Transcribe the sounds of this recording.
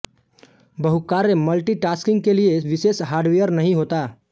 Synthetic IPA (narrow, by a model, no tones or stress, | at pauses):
bəɦukaːɾːeməlʈiʈaːskɪ̃ŋɡ̚kelieʋɪseːsɦaːɾɖʋijəɾnɐɦĩɦoːt̪aː